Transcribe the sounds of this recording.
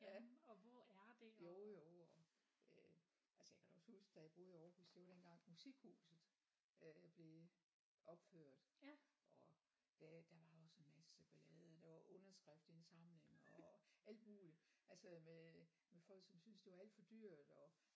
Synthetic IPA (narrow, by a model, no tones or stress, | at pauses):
jæɒʋɒæɐd̥ejo̝jo̝ɒ | ø | ælsəjäkʰæd̥ɒshusɡ̥əd̥æjab̥o̝ðˠiɒːhusd̥e̝ʋɑd̥enɡ̥ɑ̈ŋ̰musiɡ̥hṵːsð̩ˠ | øb̥le̝ | ʔɒ̽b̥føɐ̰d̥ʔɒ | d̥æd̥æʋɑ̈ɒ̽senmæsə̥seb̥ælɛːð̩ˠd̥æʋɑ̈ʔɔ̽nɐsɡ̥ʁafd̥ensɑ̈mle̝ŋɒæl̰d̥muːliælsəme | mefɒ̽l̰ɡ̥sɒ̽msynsd̥e̝ʋɑ̈æl̰d̥fɒ̽d̥yɐ̰d̥ɒ